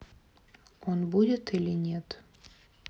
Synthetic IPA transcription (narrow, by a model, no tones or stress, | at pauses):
onbudʲet̪ilʲinʲet̪